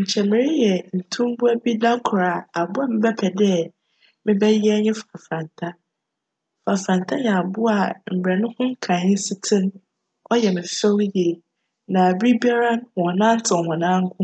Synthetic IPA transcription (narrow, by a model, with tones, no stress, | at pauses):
ɲ̩˨t͡ɕʰɛ˨mɪ̃˨ɾɪ˦jɛ˨n̩˨tʰũ˦m˦bʊ˦æ˦bi˦da˦kʰʊ˨ɾa˨a˨bʊ˦a˨mɪ̃˦bɛ˦pʰɛ˨dɛ˦ | mɪ̃˦bɛ˦jɛ˦ɲɪ̃˦fa˨fɾã˨n˨tʰa˦ | fa˨fɾã˨n˨tʰa˦jɛ̃˨a˨bʊ˦a˨m̩˨bɾɛ˨nʊ̃˦hʊ̃˦ŋ̩˦kʰã˨ɲɪ̃˦si˦tʰɪ̃˦n | ɔ˦jɛ˨mɪ̃˨fɛ˦wjɛ˨ | nã˨bi˦bi˦a˦ɾã˦n˨wɔ̃˨nãː˦n̩˦tʰɪ˨hɔ̃˨nãː˦ŋ̩˦kʰʊ̃˦